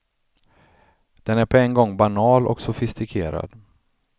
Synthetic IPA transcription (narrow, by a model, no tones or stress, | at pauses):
d̪̥ɛnæɾpʰɔɛnɡɔŋːbanɑːlɔ̰ksʊfɪst̪ɪkʰeːɾa̰d̪